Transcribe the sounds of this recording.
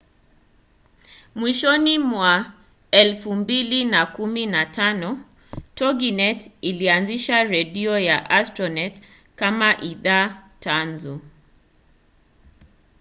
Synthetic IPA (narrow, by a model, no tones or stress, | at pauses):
mwiʃɔnimwa | ɛlfumbilinakuminatanɔ | tɔɡinɛtilianziʃaɾɛɗiɔjaʔastɾɔnɛt | kamaʔiðatanzu